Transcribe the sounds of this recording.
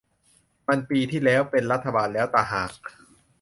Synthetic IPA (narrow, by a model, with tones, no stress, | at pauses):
ma˧npiː˧t̪ʰiː˥˩lɛː˦˥wpe˧nɾa˦˥t̪ʰːa˧baː˧nlɛː˦˥wt̪aː˧˩ɦaː˨˩k̚